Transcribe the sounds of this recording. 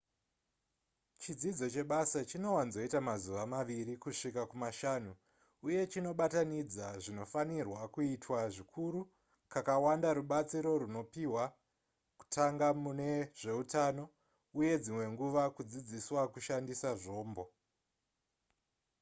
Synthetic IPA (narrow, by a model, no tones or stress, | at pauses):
t͡ʃid͡zid͡zo̞t͡ʃe̞ɓasat͡ʃino̞wanzo̞itamazuʋamaʋiɾikuʂikakumaʃanuː | je̞t͡ʃino̞ɓatanid͡zaʐino̞fanirwakuitwaʐikʰuɾu | kakawandaɾuɓat͡siɾo̞ɾuno̞piwa | ku̥tʰaŋɡamune̞ʐ̥e̞utano̞ | uje̞d͡zimwe̞ŋɡuʋakud͡zid͡ziswakuʃandisaʐo̞ːmbo̞